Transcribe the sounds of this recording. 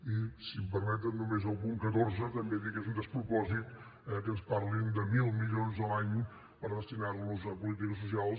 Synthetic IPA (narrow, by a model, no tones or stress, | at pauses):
isɨpɨɾmɛt̪̬ɐnumezɐwpũkɐt̪oɾzɐt̪ɐ̃mbẽj̃d̪iɣɐʒũnt̪ɐʃpɾupɔzit̪u | ɛt̪ẽʃpaɾlˠĩñd̪ɐmilˠmiʎõzaaɲu | pɐɾɐɐsinaɾluʒɐpulˠit̪̬ikɐsusialˠ